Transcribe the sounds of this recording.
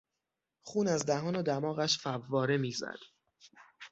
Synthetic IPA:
χuːnæzd̪æɦɒːnɒd̪æmɒːɣæʃfævːɒːɾe̞miːzæ̰d̪̥

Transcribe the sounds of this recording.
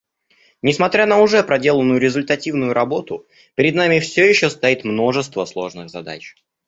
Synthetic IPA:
nʲɪsmɐt̪ɾʲanəʊʐɛpɾɐdʲe̞lˠənːʊjʊɾʲɪzʊlʲt̪ɐtʲivnʊjʊɾɐbo̞t̪ʊ | pʲɪɾʲɪd̪namʲɪfsʲojɪɕːost̪ɐit̪mno̞ʐɨst̪vəslˠo̞̰ʐnɨɣzɐd̪a̰t͡ɕ

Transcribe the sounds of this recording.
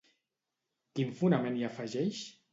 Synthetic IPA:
kiɱfunamẽniafaʒɛʃ

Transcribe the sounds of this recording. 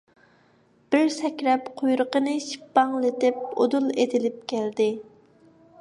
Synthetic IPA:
b̥ɪɾsɛkʲɾɛpqʰojɾəqənɨʃi̥pːɑŋlet̪ɪp̚o̰d̪ulˠed̪ɪlɪp̚kʲʰæld̪ɪ

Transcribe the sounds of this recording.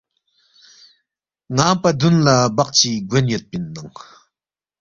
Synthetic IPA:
ŋampad̪unlabaχt͡ɕiɡonjol̚pinːaŋ

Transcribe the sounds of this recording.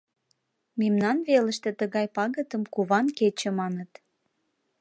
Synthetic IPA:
memnɑnβeləʃt̪ĕt̪əɣɑjpɑɣət̪əmkuβɑnket͡ɕĕmɑnət̪

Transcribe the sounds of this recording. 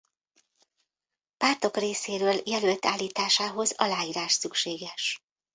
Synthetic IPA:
paːrt̪o̞kreːseːɾøːljɛlølt̪aːlːiːt̪aːʃaːɦo̞zɒlaːiːɾaːʃsykʃeːɡɛʃ

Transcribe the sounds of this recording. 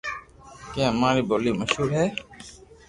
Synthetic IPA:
kãːmaːɾiːboːliːməʃɦuːɾɦɛː

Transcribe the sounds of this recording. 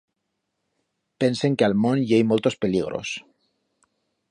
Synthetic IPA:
penseŋkealmõnjejmolt̪o̞speliɣ̞ɾo̰s

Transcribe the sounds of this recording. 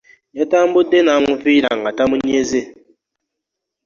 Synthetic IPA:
jatam̩budenamufiɾaŋatamunieze

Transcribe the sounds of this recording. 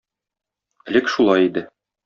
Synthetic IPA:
ɘ̆lɘkʃulˠɑjid̪ɘ

